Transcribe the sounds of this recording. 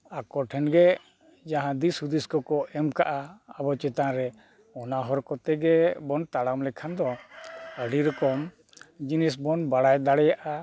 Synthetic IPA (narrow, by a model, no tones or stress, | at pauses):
akɔʈʰɛnɡɛ | d͡ʒaɦãd̪isud̪iskɔkɔɛmkaʔaːbɔt͡ʃɛt̪aɾɛ | ɔnaɦɔɾkɔt̪ɛɡɛbɔnt̪aɽamlɛkʰand̪ɔəɖiɾɔkɔm | d͡ʒinisbɔnbaɽajd̪aɽɛjaʔa